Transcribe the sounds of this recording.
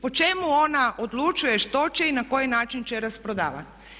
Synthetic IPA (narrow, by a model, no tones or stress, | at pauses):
po̞t͡ʃemuo̞naʔod̪lut͡ʃuje̞ʃt̪o̞t͡ʃeinako̞jinaːt͡ʃint͡ʃeɾaspɾod̪a̰ːʋa̰n